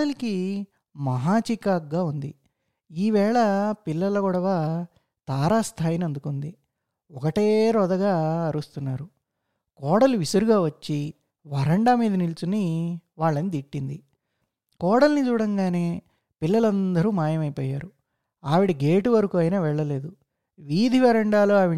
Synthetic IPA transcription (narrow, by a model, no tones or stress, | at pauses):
ɽɐliki | mɐɦaːt͡ʃikaːk̚ɡaːund̪i | iːʋɛːɭɐpilːɐlɐɡɔɽɐʋa | t̪aːɾaːst̪ʰaːjinɐnd̪ukund̪i | ɔkɐʈeːɾɔd̪ɐɡaːɐɾust̪unːaːɾu | kɔːɽɐluʋisɐɾuɡaːʋɐt͡ʃːi | ʋɐɾɐɳɖaːmiːd̪ɐnilt͡ʃunːiʋaːɭːɐnd̪iʈːind̪i | kɔːɽɐlnit͡ʃuːɽɐŋɡaːne̞ː | pilːɐlɐnd̪ɐɾuːmaːjɐmɐjpɔːjaːɾu | aːʋiɽiɡe̞ːʈuʋɐɾukuɐjnaːʋɛɭːɐle̞ːd̪u | ʋiːd̪ʱiʋɐɾɐɳɖaːloːaːʋi